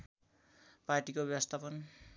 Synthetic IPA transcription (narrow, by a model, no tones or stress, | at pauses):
parʈikobjʌwʌst̪ʰapʌn